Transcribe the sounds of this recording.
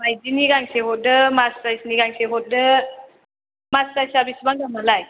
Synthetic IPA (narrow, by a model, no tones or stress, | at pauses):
majziniɡaŋseɦɔt̚dɯmastajsniɡaŋseɦɔt̚dɯ | mastajsabisbaŋɡamalaj